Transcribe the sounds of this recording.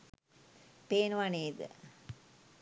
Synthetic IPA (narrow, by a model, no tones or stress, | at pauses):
peːnʋaneːd̪ə̰